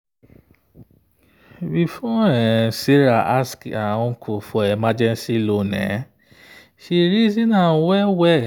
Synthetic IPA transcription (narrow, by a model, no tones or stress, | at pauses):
bifɔɛsiɾaʔaskaũkʰofɔɛmad͡ʒɛnsilonɛ̰̃ | ʃiɾizinãwɛwɛ